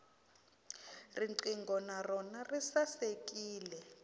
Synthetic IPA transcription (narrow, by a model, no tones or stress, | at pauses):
riǀiŋɡɔnarɔnarisasek̬ʼiːlɛ